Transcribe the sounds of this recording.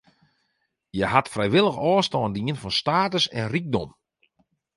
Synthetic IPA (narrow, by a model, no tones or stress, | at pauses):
jəɦatfrɛjʋɪlˠəxɔːstɔːndiənfɔnstaːtəsɛ̰nrik̚dɔm